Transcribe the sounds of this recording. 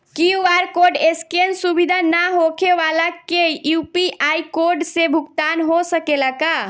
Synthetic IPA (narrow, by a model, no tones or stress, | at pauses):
kiuaɾkoɖeskensubid̪ʱanaɦokʰeʋalakejupiʔajkoɾɖsebʱukt̪anɦosəkelaka